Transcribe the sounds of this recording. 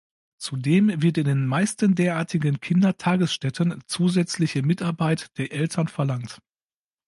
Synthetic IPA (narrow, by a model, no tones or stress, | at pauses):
t͡sudeːmvɪɐtɪndeːnmaɪstəndeːɐʔaːɐtʰɪɡənkʰɪndɐtʰaːɡəsʃtɛtʰənt͡suːzɛt͡slɪçəmɪtaɐbaɪtd̥eːɐʔɛltʰɐnfɛɐlaŋt